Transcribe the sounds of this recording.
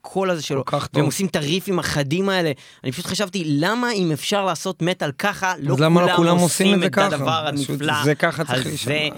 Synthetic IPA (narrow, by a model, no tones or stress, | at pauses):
kʰo̞lazeʃelo̞kvemosimt̪aʁifimaχadimae̞le̞ | anipaʃut̪χaʃavt̪ilamaimefʃaʁlaːso̞t̪me̞talkaχalolamaloaulamosimemeekad̪avaʁamiflazekaχahalze